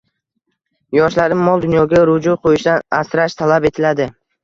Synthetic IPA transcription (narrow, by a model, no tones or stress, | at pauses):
jɒʃlaɾɪmmːɒlˠd̪ʊnjɒɡʲaɾʊd͡ʒʊqʰojɪʃd̪anasɾaʃt̪ʰalabe̞t̪ʰɪlad̪ɪ